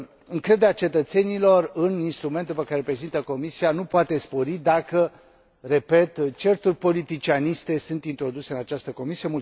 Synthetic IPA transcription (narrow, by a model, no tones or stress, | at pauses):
ɨŋkɾe̞d̪eat͡ʃe̞t̪ət̪se̞nilo̞rɨninst̪ɾumenupəkaɾepɾe̞zint̪əko̞misianupoat̪e̞spo̞ɾid̪akə | re̞pe̞t̪t͡ʃe̞rt̪urʲpo̞lit̪it͡ʃianist̪e̞sunt̪int̪ɾo̞d̪use̞ɨnat͡ʃast̪əko̞misiemul